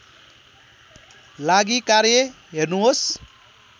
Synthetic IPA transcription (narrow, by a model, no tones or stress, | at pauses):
laɡikaɾjʌ | ɦernuɦos